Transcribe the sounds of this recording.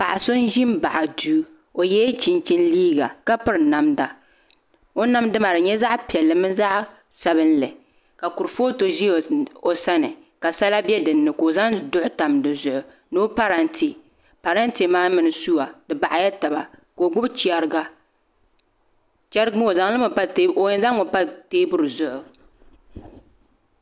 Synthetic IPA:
pa˨ʔa˨so˦n˦ʒɪ˦m˦ba˨ʔa˨duː˦ | o˨jɛ˦t͡ʃi˦nt͡ʃɪ˦nliː˦ɡa̰˨ka˦pɨ˦ɾna˦mda˨ | o˦na˦mdɨ˦ma˨ɾɨ˨ɲɛ˦za˦ʔpi˨ɛ˨lːɨ˨mɨ˦za˦ʔ | sa˨bɨ˦nlɨ˨ | ka˨ku˨ɾfoː˦to˨ʒi˦˨o˨sa˦nɨ˨ | ka˨sa˦la˦bɛ˦dɨ˨nːɨ˨ko˨za˦ŋdʊ˦ʔʊ˦ta˨mdɨ˨zʊ˨ʔʊ˨ | no˦pa˦ɾa˨nti˨ | pa˨ɾa˦nti˨maː˦mɨ˨nɨ˨su˦a˨dɨ˨ba˨ʔa˨ja˦ta˨ba˨ko˨ɡ͡bʊ˦bt͡ʃi˦ɛ˨ɾɨ˦ɡa˦ | t͡ʃɛ˦ɾɨ˦ɡm˦o˨za˨ŋ˦lɨ˦m˨pa˦tːo˨ɲɪ˨nza˦ŋːo˨pa˦teː˦bʊ˦ɾɨ˨zʊ˦ʔʊ˨

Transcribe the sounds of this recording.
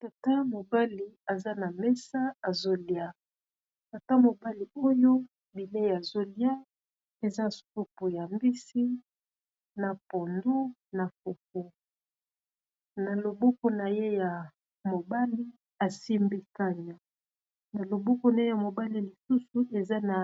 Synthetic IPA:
ta˨ta˦mo˨ba˦li˨a˨za˦na˨mɛ˦sa˦a˨zo˦lja˦ | ta˨ta˦mo˨ba˦li˨o˦jo˦ | bi˨le˦ja˨zo˦lja˦ | e˨za˦sku˦pu˨ja˨mbi˦si˦ | na˨po˨ndu˦na˨fo˨k̚o˦ | na˨lo˨bɔ˦kɔ˦na˨je˦ja˨ | mo˨ba˦li˦ | a˨si˦mbi˦ka˦ɲa˨ | na˨lo˨bɔ˦kɔ˦na˨je˦ja˨mo˨ba˦li˨li˨su˦su˨ʔe˨za˦na˨

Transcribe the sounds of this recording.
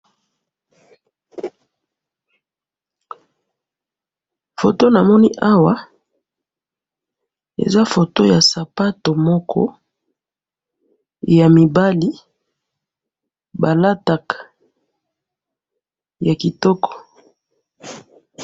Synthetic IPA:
fo˨to˦na˨mɔ˦ni˦ʔa˦wa˦ | ḛ˨za˦fo˨to˦ja˨sa˨pa˦to˨mɔ˦kʰɔ̰˦ | ja˨mi˨ba˦li˦ | ba˨la˦ta˨kḁ˨ | ja˨ki˨tɔ˦kɔ̥˨

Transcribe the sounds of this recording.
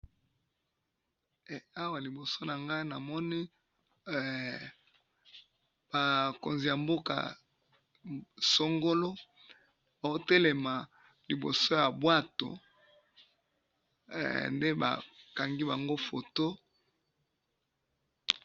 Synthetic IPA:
a˦wa˨li˨bo˨so˦na˨ŋɡa˦i˦na˨mɔ˦ni˦˨ | b̥a˨ko̰˨nzi˨ja˨mbo˦ka̰˨ | so˦ŋɡo˦lo˦ | a˨o˦te˦le˨ma˨ | li˨bo̰˨so˦ja˨bwa˦to̰˨ | nde˦ba̰˨ka˨ŋɡi˦ba˨ŋɡo˦fo˨to˦

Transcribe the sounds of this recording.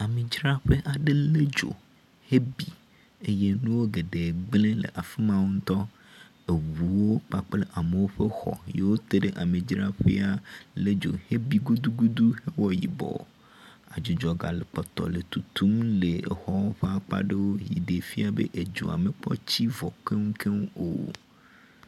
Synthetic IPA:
a˨mẽ˨d͡ʒɾa˦ɸe˦ʔa˨ɖe˦le˦d͡ʒo̰˨ | he˦bi˨ | e˦je˦nũ˦wo˦ɡe˨ɖe˨ɡ͡blẽ˦lḛ˨ʔa˨fi˦mã˦ŋu˦n˦t̪ɔ˦ | e˨wu˨wo˦k͡pa˦k͡ple˦ʔa˨me˨wo˦ɸe˦xɔ̰˨je˨wo˦t̪e˦ɖe˦ʔa˨mẽ˨d͡ʒɾa˦ɸḛ˦a˦le˦d͡ʒo̰˨he˦bi˦ɡu˦d̪u˦ɡu˦d̪u˦he˦wɔ˦ji˨bɔ̰˨ | a˨d͡ʒu˨d͡ʒɔ˨ɡa˨le˨k͡pɔ˨t̪ɔ̰˨le˨t̪u˨t̪u˦mle˨xɔ˦wɔ˦ɸe˦a˦k͡pa̰˦ɖe˦wo˦jḭ˨de˨fi˦a˨bḛ˦ʔe˨d͡ʒṵ˨a̰˨me˨k͡pɔ̰˦t͡ɕi˦vɔ˨ke˦ŋu˦kʰe˦ŋ˦o̰˨

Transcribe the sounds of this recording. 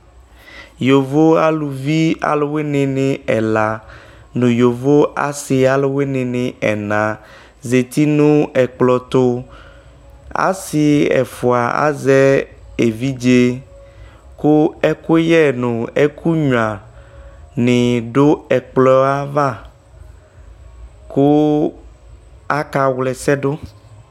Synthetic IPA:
jo˨vo˦a˦lu˨vi˦a̰˨lo˦we˦nɪ̃˨nɪ̃˨ɛ˨la˨ | nũ˨jo˨vo˦a̰˨si˨a˨lo˦we˦nɪ̃˨nɪ̃˨ɛ˨nã˨ | ze˨t̪i˦nũ˦ɛ˨k͡plɔ˨t̪o˦ | a̰˨si˨ɛ̰˨fo˨a˨a̰˦zɛ˦ | e˨vi˦d͡ʒe˦ | ko˦ɛ˦ko˦jɛ˦nũ˨e˦kʰu˦ɲũ˨ã˨ | nɪ̃˨ɖo˦ɛ˨k͡plɔ˦a˦va˦˨ | ko˦ | a˦ka˨wlɛ˨sɛ˦ɖo˦

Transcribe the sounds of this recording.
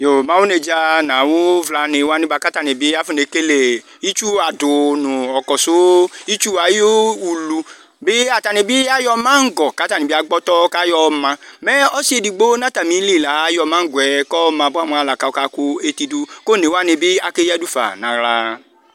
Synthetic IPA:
jo˨mã˨wu˦ne˧d͡ʒa˧nã˨wʊ˦vla˧nɪ˧wa˦nɪ̃˦ba˧ka˦ta˨ne˨bi˦a˦fu˦ne˨˦ke˦le˨ | i˦t͡ʃu˦a˨dʊ˨nʊ̃˨ɔ˨kɔ˨sʊ˦i˦t͡ʃu˦a˨jo˦u˨lu˧ | bɪ˦a˨ta˧ne˨bi˦a˦jɔ˧mã˦ŋ̩˦ɡɔ˨ka˨˦ta˦˨ni˨bi˦a˧ɡ͡bɔ˦tɔ˦ka˦jɔ˧mã˧mɛ˦ɔ˦si˦e˧˨di˨ɡ͡bo˦na˦ta˨mĩ˨˦li˦˨la˨˦jɔ˧mã˦ŋ̩˦ɡwɛ˨kɔ˦˧mã˧bʊ˦a˦mɔ̃˧˦a˨la˨ka˨o˧ka˨˧˦ku˦e˧ti˧du˧ko˦˨ne˨wa˦nɪ˧bɪ˦a˨ke˦ja˦du˦fa̰˨nã˨ɾa˧

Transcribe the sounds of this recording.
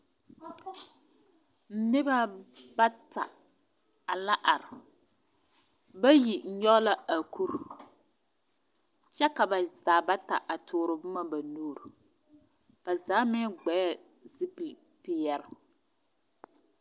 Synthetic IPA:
n̩˦nɪ˦ba˦ba˦ta˨ | a˨la˦ʔa˨ɾɪ˨ | ba˦ji˨ɲ̩˦ɲɔ˦la˦a˨kʰu˦ɾ | t͡ʃɛ˦ka˨ba˨zaː˨ba˦ta˨ʔa˨tʰʊː˨ɾʊ˨bʊ˦ma˦ba˨nuː˦˨ɾʊ˨ | ka˨zaː˨˦mɪ˦ɡ͡bɛ˨˦ɛ˦zi˦pi˨pɪ˨jɛ˦ɾ

